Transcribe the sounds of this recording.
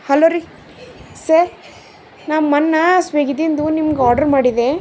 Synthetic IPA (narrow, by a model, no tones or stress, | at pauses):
hɐloɾi | sɐɾ | naːmmɐnːɐsʋeːɡid̪ind̪unimɐɡeaːɾɖɐɾmaːɽid̪e